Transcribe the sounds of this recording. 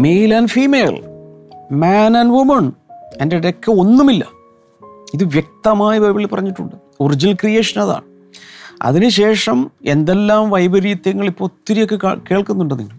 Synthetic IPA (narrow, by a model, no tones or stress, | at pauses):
mejlɐnfiːmejl | maːnɐnʋumɐɳendeiɾɐkːɐo̞nːumilːɐ̰ | iðɨʋjek̚t̪ɐmaːjɐʋɐjbɐɭilpɐrɐɲːiʈːuɳɖɨ | ord͡ʑilkrije̞ːʂɐnɐða̰ːɳɨ | ɐ̰ðinɨɕe̞ːʂɐme̞nd̪e̞lːaːmʋɐjbɐɾiːd̪jɐŋːɐɭipːoːt̪ːiɾijo̞kːḛke̞ːɭkunːuɳɖɐnḭŋːɐɭ